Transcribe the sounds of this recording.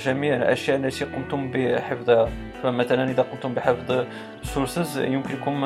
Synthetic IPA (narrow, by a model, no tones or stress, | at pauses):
ʒæmiʕlʔæ̰ʃjæʔlːæt̪iqʊmt̪ʊmbiħəfd̪ˤhæ | fæmæt̪ælænʔəd̪æqomt̪ʊmbiħəfd̪ˤ | suɾsəzjʊmkənkum